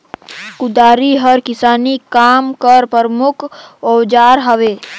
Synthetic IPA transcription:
kʊd̪aːɾiɦəɾkɪsaːnikaːmkəɾpəɾmʊkʰod͡ʒaːɾɦəʋeː

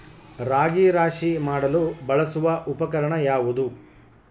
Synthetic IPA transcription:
ɾaːɡiɾaːʃimaːɽɐlubɐɭɐsuʋɐʔupɐkɐɾɐɳɐjaːʋud̪u

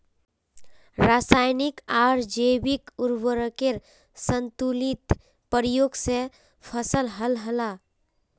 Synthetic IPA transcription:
ɾasajnikaɾd͡ʒebikuɾwəɾəkeɾ | sənt̪ulit̪ | pəɾijoːɡse | pʰəsəlɦəlɦəla

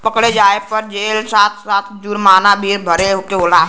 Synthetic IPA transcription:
pəkɽed͡ʒaːepəɾd͡ʒeːlsaːt̪ʰsaːt̪ʰd͡ʒuɾmaːnabʱiːɾbʱəɾeɦokeoːlaːɦ

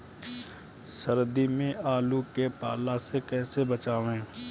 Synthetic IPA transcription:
səɾd̪imẽʔaːlukepaːlasekɛːsebət͡ʃaːʋẽː

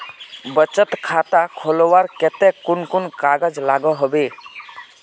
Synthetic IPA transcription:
bət͡ʃət̪kʰat̪akʰɔlɔwaɾkɛt̪ɛkʊnkʊnkaɡəd͡ʒlaɡɔɦɔbe

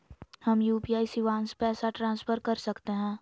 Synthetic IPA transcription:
hɐmjuːpiaːisiʋãːnspɛːsaʈɾãːnsfʰəɾkɐɾsɐkt̪eɦɛ̃ː

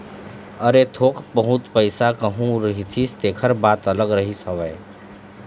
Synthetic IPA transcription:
əɾet̪ʰokbəɦut̪pəɪsakəɦũɾəɦit̪ʰist̪eːkʰəɾbaːt̪ələɡɾəɦisəʋɛ

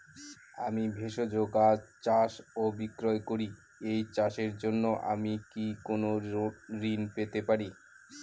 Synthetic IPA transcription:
amibʱeʃod͡ʑoɡat͡ɕaʃobikɾoekoɾi | ejt͡ɕaʃeɾd͡ʑonːoʔa̰mikikonoɾinpet̪epaɾi

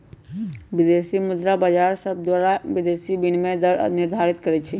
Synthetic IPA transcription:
bid̪esimud̪ɾabəd͡ʒaɾsəb̚d̪waɾaʋid̪esibinmed̪əɾ̰niɾd̪ʱaɾit̪kəɾɛt͡ʃʰɛ

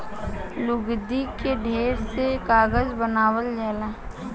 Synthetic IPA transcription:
lʊɡd̪ikeɖʱeːɾsekaːɡəzbənaːwəld͡ʒɛːlaː

